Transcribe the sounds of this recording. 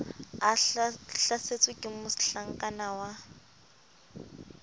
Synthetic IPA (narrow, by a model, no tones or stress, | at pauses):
aɬaset͡sʼwɪkʼɪmʊsɬaŋ̩kʼanawa